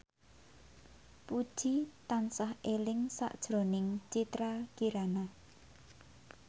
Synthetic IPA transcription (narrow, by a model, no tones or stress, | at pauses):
pud̥ʒ̥it̪ansahelɪŋsa̰ʔd̥ʒ̥ɾo̤nɪŋt͡ʃit̪ɾakiɾana